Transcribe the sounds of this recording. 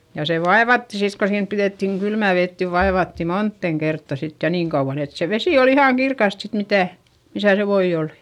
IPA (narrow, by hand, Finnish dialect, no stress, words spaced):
jɑ se ʋɑeʋɑtːi sit ko siːm piðeˑtːiŋ kylmæˑ ʋet niʋ ʋɑeʋɑtːi montːeˑŋ kertːɑ sit jɑ niːŋ kɑuʋ̆ɑn et se ʋesi ol ihɑˑŋ kirkɑst sit mitæˑ misæ se ʋoi oli̥